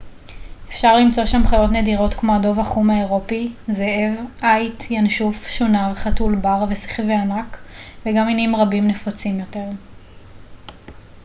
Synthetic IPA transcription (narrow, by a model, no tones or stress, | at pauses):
efʃaʁlimt͡so̞ʃamχajo̞tne̞diʁo̞tkmoado̞vaχumaeʁo̞pizee̞vʔajtjanʃufʃunaʁχatulbaʁvesi̥χveanakveɡaminimʁabimne̞fot͡simjo̞te̞ʁ